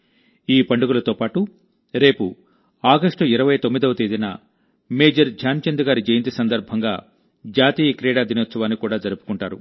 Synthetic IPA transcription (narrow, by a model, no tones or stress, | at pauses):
iːpɐɳɖuɡulɐt̪oːpaːʈu | ɾe̞ːpu | aːɡɐʂʈuiɾɐʋɐjɐt̪omːid̪ɐʋɐt̪eːd̪inɐ̰ | meːd͡ʒɐɾd͡ʒʱaːnt͡ʃɐnd̪uɡaːɾid͡ʒɐjɐnt̪isɐnd̪ɐɾbʱɐŋɡaː | d͡ʒaːt̪iːjɐkɾɛːɽaːd̪inɔːt̪sɐʋaːnːikuːɽaːd͡ʒɐɾupu̥kuɳʈaːɾṵ